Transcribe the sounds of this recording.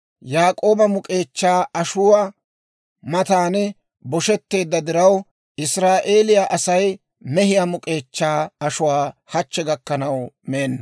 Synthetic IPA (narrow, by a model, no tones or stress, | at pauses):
jaːkʼo̞ːbɐmʊkʼe̞ːt͡ʃːaːɐʃʊwɐ | mɐt̪aːnɛ | bɔʃɛt̪ːe̞ːd̪ːɐd̪ɪɾɐw | ɪsɾaːʔe̞ːlɪjaʔɐsɐj | mɛɦɪjamʊkʼe̞ːt͡ʃːaːɐʃʊwaːhɐt͡ʃːɛɡɐkːɐnɐwmeːnːɐ